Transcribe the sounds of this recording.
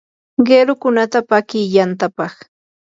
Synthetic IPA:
ɢeɾʊkʊnat̪apakɪjant̪apɑχ

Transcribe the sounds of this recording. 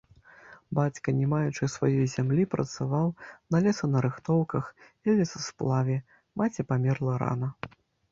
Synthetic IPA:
bat͡sʲkɐnʲɛmajut͡ʂɨsvajɔjzʲamlʲipɾʔɐ̰t̪savawnɐlʲɛsɐnɐɾɨxt̪ɔwkɐxvʲɛlʲɛsɐsplˠavʲɛ | mat͡sʲɛpamʲɛrlˠɐɾa̰nɐ

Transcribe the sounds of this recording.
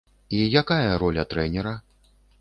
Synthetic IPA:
ijakajɐɾɔlʲɐt̪ɾɛnʲɛɾɐ

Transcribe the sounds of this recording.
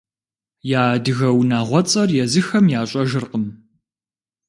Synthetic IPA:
jaːdɨɣɐwnaːʁʷɔt͡sʼɐrjɛzɨxɐmjaːɕʼɐʒɨrqəm

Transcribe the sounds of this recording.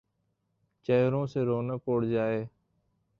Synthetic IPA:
t͡ʃeːɾõːseːɾoːnəːkoːɽd͡ʒaːeː

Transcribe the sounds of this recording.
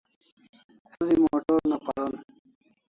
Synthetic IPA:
zimoːʈoɾnapɐɾon

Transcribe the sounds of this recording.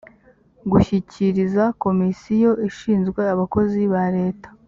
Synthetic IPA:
ɡuçiciɾizako̞misijo̞ʔiʃiːnzɡwe̞aβako̞ziβaɾe̞ːtḁ

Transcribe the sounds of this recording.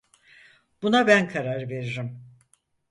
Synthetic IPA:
b̥unabænkʰaɾaɾve̞ɾiɾim

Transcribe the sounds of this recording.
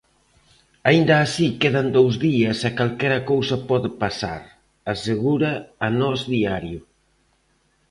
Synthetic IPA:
aind̪ɐːsikeðɐnd̪owzðiɐsakalkɛɾɐkowsɐpɔðɪpasa̰ɾ | aseɣuɾaːnɔzðiaɾjʊ

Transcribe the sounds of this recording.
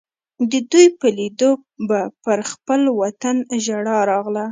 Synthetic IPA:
d̪əd̪ujpəlid̪obapəɾxpəlwat̪anʒaɽɑɾɑɣla

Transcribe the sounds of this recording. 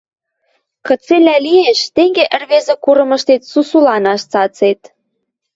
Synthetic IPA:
kə̆t͡selʲælieʃt̪eŋɡeʔə̆rβezekuɾɤ̆mə̆ʃt̪et̪susulɑnɑʃt͡sɑt͡set̪

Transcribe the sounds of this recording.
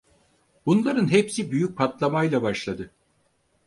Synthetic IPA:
bunlˠaɾɯnɦepsibyjyc̚pʰat̪lˠamajlˠabaʃlˠad̪ɯ

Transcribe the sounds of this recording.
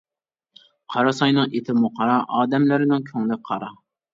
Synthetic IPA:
qʰɑɾɑsɑjnɨŋʔet̪ʰɪmuqʰɑɾɑʔɑːd̪ɛmlɪɾɪnɪŋkʲʰøŋlɪqʰɑɾɑ

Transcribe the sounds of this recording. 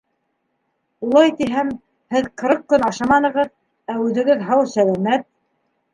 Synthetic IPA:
ulˠɑjt̪iɦæm | hɘðqɤ̆ɾɤq̚kɵnɑʃɑmɑnɤ̆ʁɤð | æʉðɘ̆ɡɘðɦɑwsælæmæt̪̚

